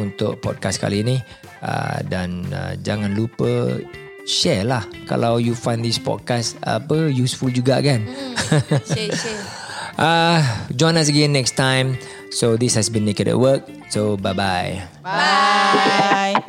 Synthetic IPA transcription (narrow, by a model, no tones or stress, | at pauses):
unt̪ʊʔpɔ̰d̚kaska̰lini | a̰dã̰nə̰d͡ʒa̰ŋãnlupə | ʃɛlahka̰lawjufãj̃nd̪ispɔ̰d̚kasta̰pəjusfuld͡ʒuɡakan | ʔad͡ʒɔ̃j̃nas̬əɡẽnːɛkstãj̃m | sod̪ishɛsbĩnːekətɛ̰ʔwək̚ | sobajbaj